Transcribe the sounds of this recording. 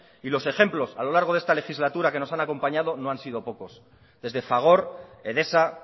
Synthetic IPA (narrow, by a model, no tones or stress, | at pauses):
ilo̞se̞xe̞mplo̞salo̞laɾɣ̞o̞ðe̞st̪alexizlat̪uɾakeno̞sanako̞mpaɲaðo̞no̞ansiðo̞po̞ko̞s | ðe̞zðe̞faɣ̞o̞ɾe̞ðe̞sa